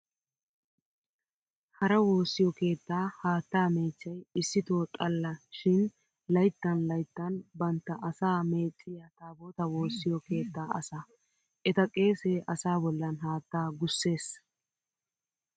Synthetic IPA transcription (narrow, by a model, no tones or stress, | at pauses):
hɐɾɐwo̞ːsːɪjɔke̞ːt̪ːaːhaːt̪ːaːme̞ːt͡ʃːɐjɪsːɪt̪oːt̪ʼɐlːɐʃɪn | lɐjt̪ːɐnlɐjt̪ːɐnbɐnt̪ːɐʔɐsaːme̞ːt͡sʼːɪjat̪aːboːt̪ɐwo̞ːsːɪjɔke̞ːt̪ːaːɐ̰saː | ʔɛt̪ɐkʼe̞ːseːʔɐsaːbɔlːɐnɦaːt̪ːaːɡʊsːe̞ːs